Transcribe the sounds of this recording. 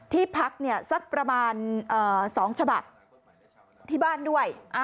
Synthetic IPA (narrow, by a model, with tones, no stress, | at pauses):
t̪ʰiː˥˩pʰa˦˥k̚ni˥˩ɐsa˦˥k̚pɾa˧maː˧nʔɤː˨˩sɔː˩˦ŋt͡ɕʰa˧ba˨˩p̚ | t̪ʰiː˥˩baː˥˩ndu˥˩əjʔa˧